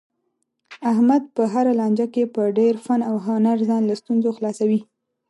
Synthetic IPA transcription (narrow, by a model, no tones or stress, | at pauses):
aɦmad̪̚pəɦaɾalɑnd͡ʒakepəɖeɾfanawɦonaɾzɑnlast̪unzoxlɑsawi